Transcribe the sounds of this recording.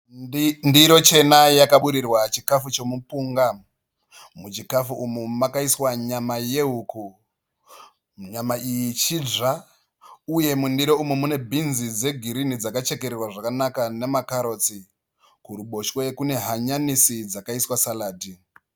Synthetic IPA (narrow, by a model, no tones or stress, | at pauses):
ndiɾo̞t͡ʃe̞najakaɓuɾirwat͡ʃikafut͡ʃo̞mupuːŋɡa | mut͡ʃikafuʔumumakaiswaɲamaje̞ɦuku | ɲamaʔijit͡ʃid͡ʒa | uje̞mundiɾoumumune̞bʱinzid͡ze̞ɡʱiɾinid͡zakat͡ʃe̞ke̞ɾerwaʐakanakane̞makaɾo̞t͡si | kuɾuɓo̞ʃwekune̞ɦaɲanisid͡zakaiswasalaːdi